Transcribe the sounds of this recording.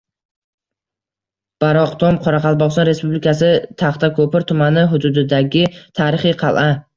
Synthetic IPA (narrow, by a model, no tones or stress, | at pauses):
b̥aɾɒqt̪ʰomqʰɒɾaqʰɑlˠbɒʁsɒnɾe̞spublɪkasɪt̪ʰaχt̪ʰakʰɵpɪɾt̪ʰʊmanɪɦʊd̪ʊd̪ɪd̪aɡʲɪt̪ʰaːɾɪχɨqʰɑlˠʔa